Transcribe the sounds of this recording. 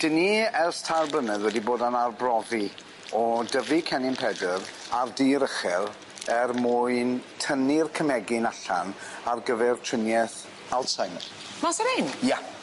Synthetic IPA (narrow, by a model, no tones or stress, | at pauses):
d̥əniɛrstʰarbənəðwɛdiboːdanarbrɔði | ɔdəvikʰɛnɪmpʰɛdəɾardiɾəχɛɾ | ɛrmuɨntʰənirkʰəmɛɡɪnaɬa̰narɡəvɛrtʰɪnjɛθ | alˠtsajnr | masaɾɪnja